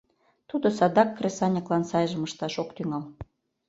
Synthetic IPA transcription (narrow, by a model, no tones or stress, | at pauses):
t̪ud̪ŏsɑd̪ɑkːresɑnʲɑklɑnsɑjʒə̆məʃt̪ɑʃokt̪yŋɑl